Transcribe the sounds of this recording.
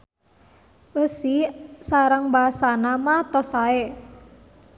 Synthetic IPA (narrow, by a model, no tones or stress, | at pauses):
ʔəsisaɾəŋbaɦasanamat̪ɔsae